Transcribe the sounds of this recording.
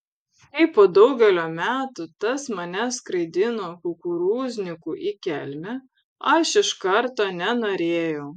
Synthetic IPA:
kɐɪpoːd̪ɒʊɡʲɛlʲoːmʲæːt̪ut̪ɐsmɐnʲɛskɾɐɪd̪ʲɪnokʊkʊɾuːzʲnʲɪkuʔikʲɛlʲmʲɛ | ɐʃɪʃkɐɾt̪oːnʲɛnoːɾʲeːjɛʊ

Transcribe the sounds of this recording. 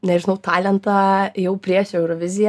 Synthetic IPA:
nʲɛʒʲɪnɐʊt̪ɑːlʲɛnt̪ɑjɛʊpʲɾʲiɛʃɛʊɾoʋʲɪzʲɪjɛ

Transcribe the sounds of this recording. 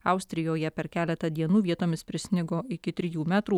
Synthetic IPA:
ɐʊsʲt̪ʲɾʲɪjoːjɛpʲɛɾkʲæːlʲɛt̪ɐd̪ʲiɛnuːʋʲiɛt̪oːmʲɪspʲɾʲɪsʲnʲɪɡoːɪkʲɪt̪ʲɾʲɪjuːmʲæːt̪ɾuː

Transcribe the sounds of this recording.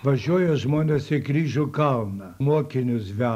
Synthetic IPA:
ʋɐʒʲuɔjɛʒmoːnʲɛsɪɡɾʲiːʒʊkɐlˠnɐmuɔkʲɪnʲʊsʋʲæ

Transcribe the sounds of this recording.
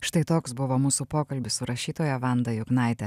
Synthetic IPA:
ʃt̪ɐɪt̪oːksbʊʋoːmuːsupoːkɐlʲbʲɪssʊɾɐʃʲiːt̪oːjɛʋɑnd̪ɐjʊɡnɑˑɪt̪ʲɛ

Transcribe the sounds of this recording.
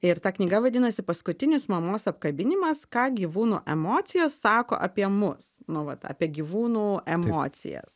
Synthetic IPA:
ɪɾt̪ɑːknʲiːɡɐʋɐd̪ʲɪnɐsʲɪpɐskʊt̪ʲɪnʲɪsmɐmoːsɐp̚kɐbʲɪnʲɪmɐskɑːɡʲiːʋuːnṵːʔɛmoːt̪sʲɪjoːsːɑːko̰ːʔɐ̰pʲiɛmʊsnʊʋɐt̪ɑ̰ːpʲiɛɡʲiːʋuːnuːʔɛmo̰ːt̪sʲɪ̰jɛ̰s

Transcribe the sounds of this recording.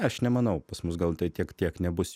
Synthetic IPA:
ɐʃnʲɛmɐnɐʊpɐsmʊsɡɐlˠt̪ɐɪt̪ʲiɛkt̪ʲiɛknʲɛbʊsʲ

